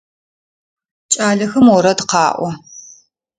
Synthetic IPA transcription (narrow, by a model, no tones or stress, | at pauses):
t͡ʃʼaːɮɐxɐmwɔɾɐdqɑːʔʷɔ